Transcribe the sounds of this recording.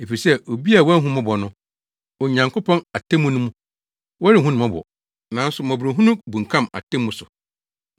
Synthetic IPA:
e˨fi˨sɛ˦˨ʔo˨bi˦a˨wɔ˦ɦũ˦mɔ̃˦bɔ˨nʊ̃˦ | ɔ˨ɲã˨ŋko˦pʰɔ̃˦na˨tʰɛ̃˦mːũ˦nũ˦mũ˦ | wɔ˦ɾɪ˨ɦũ˦nʊ̃˨mɔ̃˦bɔ̰˨ | nã˨n̩˦sʊ˨mɔ̃˨bɾĩ˨ɦũ˦nũ˦bũ˨ŋ̩˨kʰã˦ma̰˨tʰɛ̃˦mːũ˨sʊ˨

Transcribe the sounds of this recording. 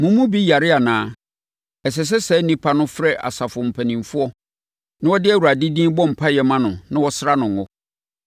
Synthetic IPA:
mʊ̃˨mːũ˦bi˦ja˨ɾɪ˦a˨nãː˨ | ɛ˨s̬ɛ˨s̬ɛ˦sɛ˦nĩ˦pʰa˦nʊ̃˦fɾɛ˦ʔa̰˨sa˨fʊ˨m̩˨pʰæ˨nĩ˨mfʊ˦ɔ˦ | nɪ̃˦wɔ˦dɪ˦æ˦˨wu˨ɾa˨di˦dĩː˦bɔ̃˦m̩˨pʰa˦jɛ˨mã˦nʊ̃˨nɪ̃˦wɔ˦sɾa˦nʊ̃˨ŋ˨ɔ˦

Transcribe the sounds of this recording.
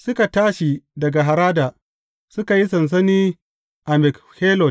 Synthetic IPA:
sʊ˦ka˨taː˦ʃi˨dɐ˨ɡa˨ɦa˨ɾaː˦daː˨ | sʊ˦ka˨ji˦sɐ˨ns̬ɐ˦niː˦ | ʔa˨mɛ˨k | heː˦lɔ˨t

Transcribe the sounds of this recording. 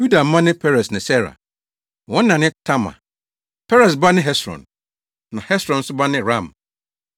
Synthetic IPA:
ju˦da˨m̩˦mã˦nɪ̃˦pʰɛ˦ɾɛ˨snɪ̃˨sɛ˦ɾa̰˨ | wɔ̃˦n̩˦nã˨nɪ̃˦tʰa˦mã̰˨ | pʰɛ˦ɾɛ˨s̬ba˦nɪ̃˦ɦɛ˦sɾɔ̰̃˨n | nã˨hɛ˦sɾɔ̃˨n̩˦sʊ˦ba˦nɪ̃˦ɾã˦˨m

